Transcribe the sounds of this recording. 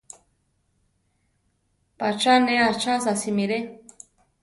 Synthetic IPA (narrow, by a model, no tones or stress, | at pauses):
pat͡ʃaneat͡ʃasasimiɾe